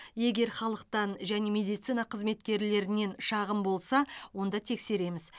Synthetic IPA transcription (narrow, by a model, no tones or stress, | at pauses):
je̞ɡʲe̞ɾχɑlˠəq̚t̪ɑnʒæne̞mʲe̞d̪ijt̪sɨjnɑqʰəzme̞t̪kʲe̞ɾle̞ɾɪne̞nʃɑʁəmbo̞lˠsɑwo̞nd̪ɑt̪ʰe̞kse̞ɾe̞mɪz̥